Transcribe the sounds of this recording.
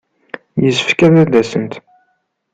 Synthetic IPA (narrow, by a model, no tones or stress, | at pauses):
jəsəfkæðæd̪æsənt̪